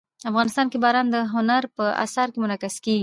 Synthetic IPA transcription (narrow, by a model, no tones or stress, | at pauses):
afɣɑnɪst̪ɑnkebɑɾɑnd̪əɦʊnaɾpəa̰saɾkemʊnakaskeɡi